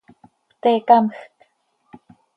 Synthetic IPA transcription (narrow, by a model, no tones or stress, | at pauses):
pt̪eːkaməxt̪